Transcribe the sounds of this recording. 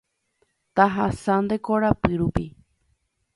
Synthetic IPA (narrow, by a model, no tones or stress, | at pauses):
t̪aɦasãnd̪ekoɾapɨɾupi